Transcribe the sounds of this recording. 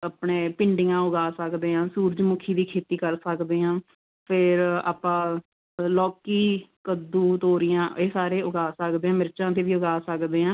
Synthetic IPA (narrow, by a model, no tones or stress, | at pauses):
aːpɳeːpɪɳɖɪjãːʊɡaːsəkd̪eːãːsuːɾd͡ʒmʊkʰiːd̪iːkʰeːt̪iːkəɾsəkd̪eːɦãː | pʰɪɾa̰ːpãː | lɔːkiːkəd̪uːt̪oːɾɪjãːʔeːsaːɾeːʊɡaːsəkd̪eːɦãːmɪɾt͡ʃãːt̪eːʋiːʊɡaːsəkd̪eːãː